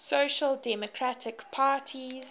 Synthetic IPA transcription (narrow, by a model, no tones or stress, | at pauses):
soʃəldɛmɔkʰɹatʰɪkpʰaːˑtʰiz